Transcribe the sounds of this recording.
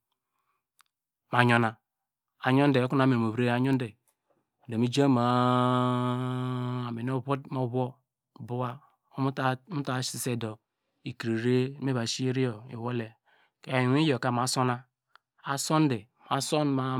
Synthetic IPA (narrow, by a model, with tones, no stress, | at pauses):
ma˨ɲo˨na˨ | a˨ɲo˦n˦de˨o˦ku˦n˨a˨me˨m˨o˨βɾe˦˨a˨ɲo˦nde˨ | de˨mi˦d͡ʒa˦ma˨ | a˨me˨n˦o˦βmo˦βo˦˨ | bu˦wa˦ | mu˦ta˨˦si˨se˦˨do˨ | i˨kɾi˨ɾe˦me˦ba˨ʃi˦ɾi˦jo˨ḭ˨wo˦le˨ | ke˦a˨jwi˦jo˨ka˨m˨a˨˦so˦na˦ | a˨so˦n˦de˨ | ma˨so˦nma˨